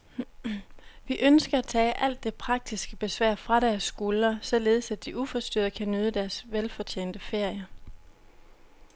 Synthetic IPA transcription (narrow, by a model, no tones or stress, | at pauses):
ʋiʔønsɡ̥ɐæt͡sʰɛ̰ːʔæl̰d̥ːe̝pʰʁɑ̈ɡ̥̚d̥isɡ̥əb̥e̝sʋæɐ̰fʁɑ̈ɾæɐsːɡ̥ulɐsɒ̽le̝ːð̞ˠsæd̥iʔufɒ̽sd̥yɐ̰ðˠəkʰænøð̞ˠəd̥æɐsʋelfɒ̽t͡ɕʰḛːnd̥əfe̝ɐ̰jɐ